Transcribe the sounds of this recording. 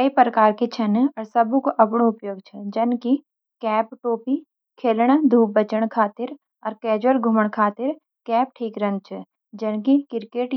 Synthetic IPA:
kəipɾəkaːɾket͡ʃʰɐnɔːɾsɐbũkoʔɐpɽ̃oʊpjoːɡ̚t͡ʃʰɛd͡ʒɐnki | kɛːpʈoːpi | kʰeːlɽ̃d̪ʱuːbət͡ʃəɽ̃kʰaːt̪ɪɾ | ɔːɾkɛːd͡ʒwəlɡʱʊməɽ̃kʰaːt̪ɪɾ | kɛːp̚ʈʰiːkɾɐ̃nd̪̚t͡ʃʰɛ | d͡ʒɐnkikɪɾkeːʈ

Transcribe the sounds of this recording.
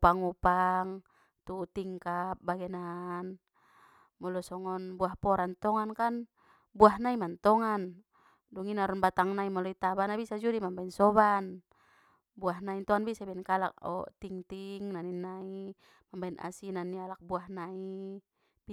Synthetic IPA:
paŋupaŋ | t̪ut̪iŋkap̚baɡɛnan | mɔlɔsɔŋɔnbuahpɔɾant̪ɔŋankan | buaɦnaimant̪ɔŋan | duŋinaɾɔnbat̪aŋnaimɔlɔit̪abanabisad͡ʒɔdimambainsɔβan | buaɦnaint̪ɔanbisabɛnkala̰k̚ɔ̰t̪iŋt̪iŋnaninːai | mambainʔa̰sinanːialak̚buahnai | b

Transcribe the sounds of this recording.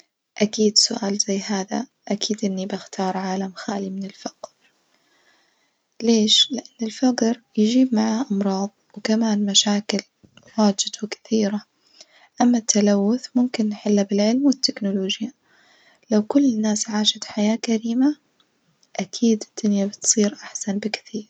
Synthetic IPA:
ʔakiːd̪sʊʔaːlz̥ajːɦaːða̰ʔakʰiːd̪ʔɪnːibɪxt̪ʰɑːɾˤʕaːlamxaːlimɪnɪlfaqɾ | leːʃlɪʔanːɪlfɑqɾjɪd͡ʒiːb̚maʕaʔɑmɾˤɑːðˤwɪkamaːnmaʃaːkɪl | waːd͡ʒɪd̪wɪkɪ̥θiːɾa | ʔamːat̪ʰːalawːʊθmʊmkɪnːħɪlːabɪlʕɪlmwɪt̪ːɪknʊloːd͡ʒja | lawkʊlːɪnːaːsʕaːʃat̪ħajaːkaɾiːma | ʔakʰiːd̪ɪd̪̥ɪnːabɪt̪sˤiːɾʔaħsanbɪkθiːɾ

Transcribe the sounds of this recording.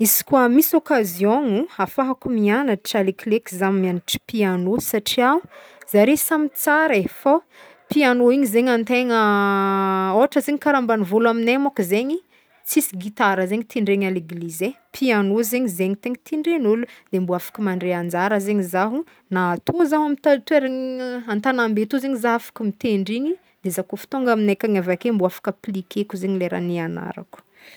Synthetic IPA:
isi̥kwamisokazijõŋuafaɦakumianəʈ͡ʂaleklekizammianiʈ͡ʂi̥pianosaʈ͡ʂiauz̥aɾesamit͡saɾefo | pianoiɲizeɲant̪eŋə | oaʈ͡ʂəzeɲikaɾambanivolaminemakizeɲi | t͡sisiɡit̪aɾəzeɲit̪iɳɖ͡ʐeɲaleɡlize | pʰianozeɲizeɲit̪eɲit̪iɳɖ͡ʐenulud̪̥embuafḁkəmaɳɖ͡ʐeand͡zaɾəzeɲizaɦu | naːt̪ʰozaɦamit̪at̪ueɾeɲant̪anambet̪ozeɲizaɦafḁkəmit̪eɳɖ͡ʐiɲi | d̪̥ezakofi̥t̪oŋɡaminajkʲaŋavakembuafḁkəplikʰekuzeɲileɾa̰niana̰ɾa̰ku̥

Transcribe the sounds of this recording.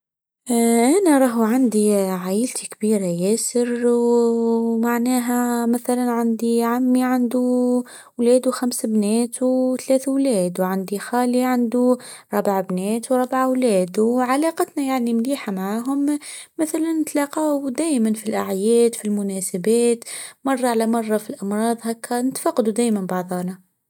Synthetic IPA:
ʔænaɾˤɑɦʕand̪iʕaːjɪlt̪ʰikbiːɾajæːsɪɾw | maʕnæːɦæmaθalanʕand̪iʕamːiʕand̪u | wlɛːd̪wxamsbnɛːt̪wt̪lɛːθwlɛːd̪wʕand̪ixaːliʕand̪uɾˤɑbaʕbnɛːt̪wɾˤɑbʕawlɛːd̪wʕalɑːqɑt̪najaʕnimliːħamaʕaːɦʊmːɪθalanːɪt̪lɑqɑwd̪æːjmanfilʔaʕjɛːd̪filmʊnɛːsabɛːt̪mɑrˤːɑʕalæmɑrˤːɑfilʔɑmɾˤɑːðˤɦɛkːænɪt̪fɑqːɑd̪ud̪æːjmanbɑʕðˤɑːnɑ

